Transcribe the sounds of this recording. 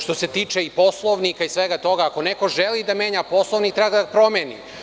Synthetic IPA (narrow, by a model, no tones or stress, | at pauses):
ʃt̪o̞set̪iːt͡ʃeipo̞slˠoʋnikaisʋeɡat̪o̞ɡaːko̞neko̞ʒelid̪ameːɲapo̞slˠoʋnikt̪ɾebaɡad̪apɾo̞meːnḭ